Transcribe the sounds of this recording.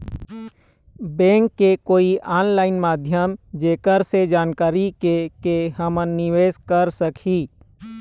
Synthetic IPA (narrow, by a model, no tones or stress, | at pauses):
bɛ̃ːŋkːekoːiʔaːnlaːɪnmaːd̪ʱjəmd͡ʒeːkəɾsed͡ʒaːnkaːɾikekeɦəmənɪʋeːzkəɾsəkʰiː